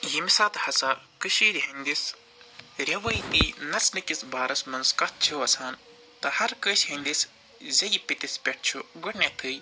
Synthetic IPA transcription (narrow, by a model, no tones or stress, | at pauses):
jimisaːt̪hɐsa | kɨʃiːɾiɦɐnd̪is | ɾʲɐʋɐjt̪inɐt͡snɨkisbaːɾɐsmɐnskɐt̪̚t͡ʃʰuɐsaːn | t̪ɐhɐɾkəʃhɐnd̪is | zʲɐjipit̪ispʲeʈ̚ʰt͡ʃʰuɡɐʈnʲet̪ʰɨj